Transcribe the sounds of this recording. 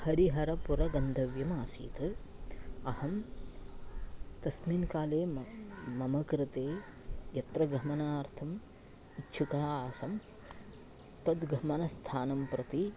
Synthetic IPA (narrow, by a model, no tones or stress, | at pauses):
hɐɾiɦɐɾɐpuɾɐɡɐnd̪ʱɐʋjɐmaːsḭːt̪ɨ | ɐhɐm | t̪ɐsminkaːleːmmɐmɐkɾɪt̪eːjɐt̪ɾɐɡɾɐmɐnaːɾt̪ʰɐm | itːʃʰukaːaːsɐm | t̪ɐd̪ɡʱɐmɐnɐst̪ʰaːnɐmpɾɐt̪i